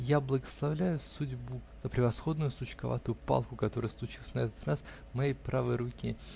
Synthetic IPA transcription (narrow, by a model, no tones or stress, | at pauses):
jablˠəɡəslˠɐvlʲæjʊsudʲbuz̥əpɾʲɪvɐsxo̞d̪nʊjʊsʊt͡ɕkɐva̰t̪ʊjʊpa̰lˠkʊkɐt̪o̞ɾəjəslˠʊt͡ɕilˠəsʲnɐɛt̪ət̪ras | mɐjejpɾavɨjɾʊkʲi